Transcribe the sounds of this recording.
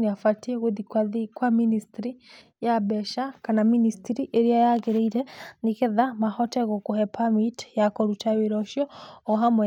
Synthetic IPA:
niafatiɛɣuðikwaðikwaministɾi | jabɛʃakanaministiɾiʔeɾiajakiɾeiɾɛnikeðamahɔtɛɣɔkuhɛpʰamitjakɔɾutaβiɾɔʃjɔːɦamwɛ

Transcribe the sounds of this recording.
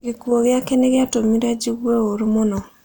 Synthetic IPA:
ɡekwɔɣjakeneɣjatomiɾad͡ʒiɣwɛoɾumonɔ

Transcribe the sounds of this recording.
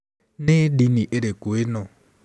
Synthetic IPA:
nɪɖiniʔeɾekuɪnɔ

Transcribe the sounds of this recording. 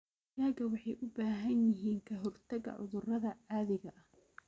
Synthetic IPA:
jaːɣɐwɑħɑjʔʊbaːɦɐnjɪɦiːŋkʰɐɦɔrt̪ʰɐɣɐ̰ʕʊ̰ðʊrɐðɐʕaːðɪɣɐʔɐh

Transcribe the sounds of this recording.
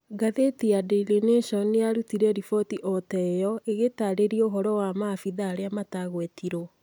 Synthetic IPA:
ɡaðetiadeleneʃɔnejaɾutiɾɛɾifɔtiʔɔtɛjɔeɣetaɾeɾioɦɔɾɔwamafiðaːɾeamataɣwɛtiɾo

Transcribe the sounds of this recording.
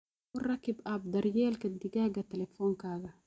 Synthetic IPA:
ʊrakibab̚d̪ɐɾjɛːlkɐd̪iɡaːɡɐt̪ɛlɛfɔːŋkaːɣɐ

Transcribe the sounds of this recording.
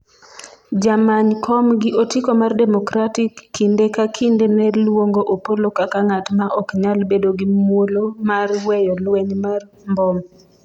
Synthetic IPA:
d͡ʒamaɲkʰɔmɡɪʔotikomardɛmɔkɾatikːindekakʰindenɛlwoŋɡoʔopolokakaŋatmaʔɔkɲalbedoɡimwolomarwɛjɔlwɛɲmar | mbɔm

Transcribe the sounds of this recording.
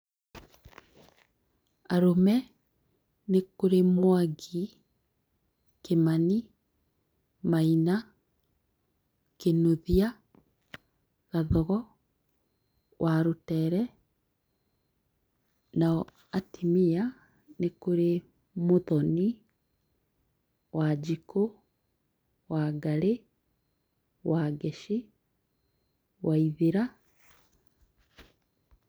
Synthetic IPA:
aɾomɛ | nekoɾemwaɡi | kemani | maina | kenoðia | ɣaðɔɣɔ | wʔaɾotɛɾɛ | naɔ | atimia | nekoɾe | moðɔni | wad͡ʑiko | waɡaɾe | waɡɛʃi | waiðeɾa

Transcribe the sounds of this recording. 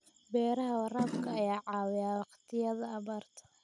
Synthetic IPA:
bɛːɾɐɦɐwɑraːbkʰɐɐjaːʕɑːwɪjaːwɑqt̪ʰɪjɐðɐːβaːrt̪ʰɐ̥

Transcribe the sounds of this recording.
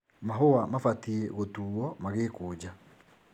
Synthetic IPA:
maɦoamafatieɣotuːɔmaɣeːkoːd͡ʑa

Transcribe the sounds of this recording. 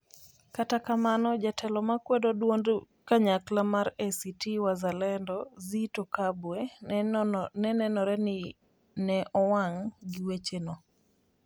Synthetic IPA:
katakamanɔd͡ʒatʰɛlɔmakwɛdodwond | kaɲaklamaɾɛsitiwazalɛndɔzitokabwe | nɛnɛnɔɾɛnɪ | nɛʔɔwaŋɡɪwet͡ʃeno

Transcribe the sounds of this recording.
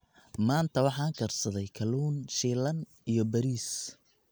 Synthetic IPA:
maːnt̪ʰɐwɑħɑːŋkʰɐrsɐðɛjkʰɐluːnʃiːlɐn | ʔijɞbɐɾiːs

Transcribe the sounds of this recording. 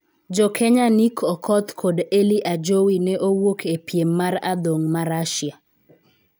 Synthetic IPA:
d͡ʒɔkʰɛɲanikʰɔkʰɔt̪kʰodeliʔad͡ʒowinɛʔowokepjemːaɾad̪oŋmaɾaʃja

